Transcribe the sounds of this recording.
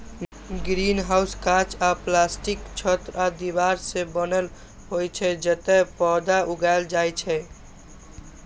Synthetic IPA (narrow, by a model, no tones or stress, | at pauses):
ɡɾinɦawskat͡ʃaplasʈikt͡ʃʰət̪ɾad̪ibaɾsẽbənəl | ɦojt͡ʃʰɛd͡ʒət̪ɛpɔd̪auɡaɪld͡ʒajt͡ʃʰɛ